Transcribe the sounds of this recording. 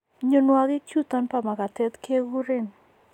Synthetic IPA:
ɲonwaɣi˦t͡ʃut̪anpa˨ma˨ka˨t̪ɛ˦t̪ke˦ɣu˦ɾɪn

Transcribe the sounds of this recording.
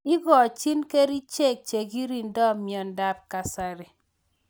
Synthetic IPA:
i˦ɡɔ˨t͡ʃi˦nke˦ɾi˦t͡ʃe˦˨k̚t͡ʃe˨ɡi˦ɾi˦ndɔ˦mjɔ˨nda˦p̚ka˨sa˨ɾe˨

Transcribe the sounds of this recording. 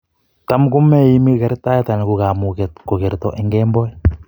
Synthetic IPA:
ta˦mku˦mɛ˦ji˦mi˦kɛ˨ɾta˦jɛ˦ta˨n˨ku˨ka˨mu˨kɛ˨tko˨ke˨ɾtɔ˨ʔɛ˦ŋɡɛmbɔ˦ɛ˦

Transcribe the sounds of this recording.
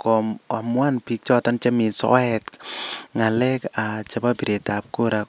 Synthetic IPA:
kɔ˨ma˨mwa˦npi˦k̚t͡ʃɔ˦tɔ˦nt͡ʃa˦mi˨nsɔ̰˦ɛtŋa˨lɛ˦kat͡ʃa˦pa˦pi˨ɾe˨ta˨p̚ko˦ɾa

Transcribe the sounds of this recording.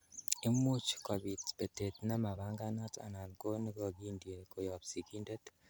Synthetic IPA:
e˦mu˦t͡ʃka˨βi˨tbe˨te˨tna˦ma˨βa˦ŋɡa˦na˦ta̰˨na˨nko˦ni˦ko˨ɡi˦ndie˨ko˨ja˨bsi˨ki˦nde˦t

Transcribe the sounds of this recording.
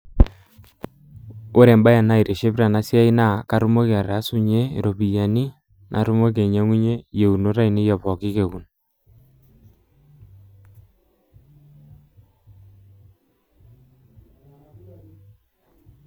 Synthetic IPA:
o˦ɾe˨mba˦ja˨na˦˨i˨ɾe˨ʃe˦pɾa˨na˦sja˦i˦na˦˨ka˨˦ɾu˦mo˦ke˨a˨ɾa˦su˦ɲe˦ḛ˨ɾo˨pi˨ja˨ni˦ | nʔa̰˨ɾu˦mo˦k̬e˨ɲa˦ŋu˦ɲe˦je˨u˨no˦ɾa˦i˨ni˦jɔ˨pɔ˨ki˦ke˨ku˨n

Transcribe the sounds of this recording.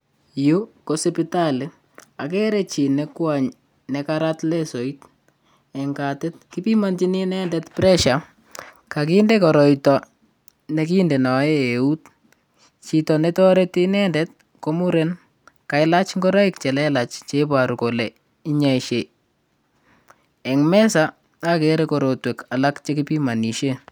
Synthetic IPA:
ju˦ko˨sɛpitalɪ | a˨kɛ˦ɾe˦t͡ʃi˨nekwaɲ | nɛ˨kaɾatlɛ˦so˨it | ɛ˨ŋɡa˨te˦t̚ki˦pi˦ma˦nt͡ʃi˦ni˦nɛ˦ndɛtpɾɛ˦ʃa˨ | ka˨k̬ɪ˦nde˦kɔ˨ɾɔ˨itɔ˨ | ne˦ki˦nde˨nɔ˨e˦e˨u˦t | t͡ʃi˨tɔ˨netɔ˦ɾeti˦nɛ˦ndɛt̚ | ko˦mu˦ɾen | ka˨ɪla˦t͡ʃŋɡɔɾɔ˦ikt͡ʃɛ˨lɛla˨t͡ʃt͡ʃepa˨ɾu˨ko˨le˨ | i˦ɲa˨iʃe˨ | ɛ˨ŋmɛ˦sa˦ | a˦keɾekɔ˨ɾo˨twɛ˨ka˨lakt͡ʃe˦kɪpi˦ma˨ni˨ʃe˦

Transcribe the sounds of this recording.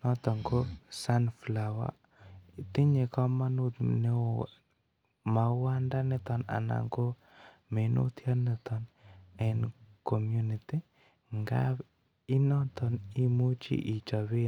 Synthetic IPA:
nɔ˦t̪ɔ˨ŋɡo˦sa˦nflawa̰˦ | t̪i˦ɲe˨kɔ˦ma˦nu˦tne˦ | ma˨wa˦nda˦nɛ˦t̪ɔ˨na̰˨na̰ŋɡo˦ | me˨nṵ˦t̪ʰja˦nɛ˨t̪ɔnɛ˨nkɔ˨mjuniti˦ | ŋɡa̰ | i˦nɔ˦t̪ɔ˨ni˦mu˦t͡ʃḭ˦ʔi˨t͡ʃa˨βe˦

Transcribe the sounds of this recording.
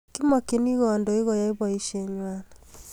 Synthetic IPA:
ki˦mɔ˨ke˨ni˦ɣɔ˨ndɔ˨i˦ɣɔ˨ja˨i˦βa˨i˦ʃɛ˨ɲwa˦na

